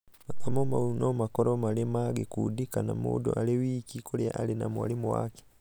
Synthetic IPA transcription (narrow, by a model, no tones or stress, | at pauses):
makamomaunomakoɾomalemaɡekudikanamṵdoʔalewiːkikʰolia̰ʔalinamwa̰limwwa̰ki̥